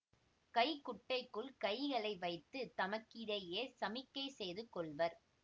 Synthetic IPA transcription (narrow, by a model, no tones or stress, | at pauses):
kɐɪkʊʈːɐɪkːɯɭkɐɪɣɐɭɐɪʋɐɪt̪ːɯt̪ɐmɐkːɪɽɐjeːsɐmɪkːɐɪsɛjðɯkːɔɭʋɐɾ